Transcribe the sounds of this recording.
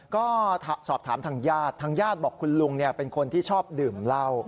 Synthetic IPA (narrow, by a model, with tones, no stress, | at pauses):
kɔː˥˩˧sɔː˨˩p̚t̪ʰaː˩˦mt̪ʰaː˧ŋjaː˥˩t̪ʰːaː˧ŋjaː˥˩t̪̚bɔː˨˩kʰːu˧nlu˧ŋni˥˩ɐpe˧nkʰo˧nt̪ʰiː˥˩t͡ɕʰɔː˥˩p̚dɯː˨˩mla˥˩w